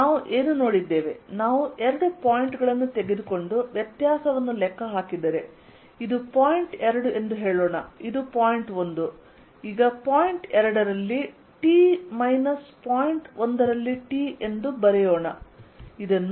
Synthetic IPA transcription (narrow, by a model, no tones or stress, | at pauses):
naːʋuʔe̞ːnuno̞ːɽid̪ːe̞ːʋe̞̰naːʋuʔɛɾɐɽupaːjiɳʈɡɐɭɐnːut̪eɡed̪uko̞ɳɖuʋjɐt̪jaːsɐʋɐnːulɛkːɐɦaːkid̪ːɐːɾe̞ | id̪upaːjiɳʈɛɾɐɽue̞nd̪uɦe̞ːɭoːɳɐ̰id̪upaːjiɳʈo̞nd̪u | iːɡɐpaːjiɳʈɛɾɐɽɐɾɐlːi | ʈiːmɐjnɐspaːjiɳʈond̪ɐɾɐlːiʈiːʔe̞nd̪ubɐɾɛjoːɳɐ̰id̪ɐnː